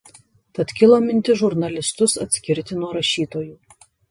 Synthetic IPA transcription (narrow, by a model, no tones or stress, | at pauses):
t̪ɐt̪kʲɪlˠoːmʲɪnʲt̪ʲɪʒʊɾnɐlʲɪst̪ʊsɐt̪ʲsʲkʲɪɾʲt̪ʲɪnuɔɾɐʃʲiːt̪oːjuː